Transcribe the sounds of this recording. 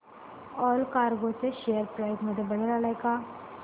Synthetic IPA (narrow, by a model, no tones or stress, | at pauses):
ɔːlkaːɾɡoseʃeːəɾpɾaːkmɐd̪əbɐɽ̤eɾaːlakaː